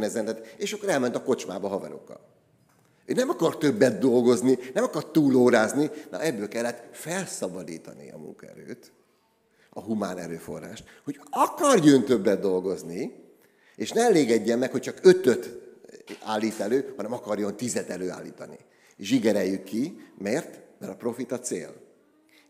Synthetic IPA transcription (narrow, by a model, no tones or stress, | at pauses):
nɛzɛnt̪ɛt̪eːʃɒkːoɾɛlmɛnt̪ɒko̞t͡ʃmaːbɒɦɒvɛɾo̞̰kːɒ̰l | øːnɛmɒkɒrt̪ø̞bːɛd̪̚d̪o̞lɡo̞zninɛmɒkɒrt̪uːloːɾaːzninɒ̰ʔɛbːøːlkɛlːɛt̪fɛlsɒbɒd̪ḭːt̪ɒ̰nḭɒ̰mṵŋkɒɛ̰ɾø̰ːt̪ | ɒɦumaːnɛ̰ɾøːfo̞̰rːa̰ːʃt̪ | ho̞ɟɒkɒrjønt̪øbːɛd̪d̪o̞lɡo̞zni | eːʃnɛɛleːɡɛɟːɛmːɛkho̞c̚t͡ʃɒkø̞t̪øt̪ | aːlːiːt̪ɛløːhɒnɛmɒkɒrjo̞nt̪izɛt̪ɛløːa̰ːlːḭːt̪ɒnḭ | eʃiɡɛɾɛjːykːimɛrt̪mɛɾɒpro̞fit̪ɒt̪sḛːl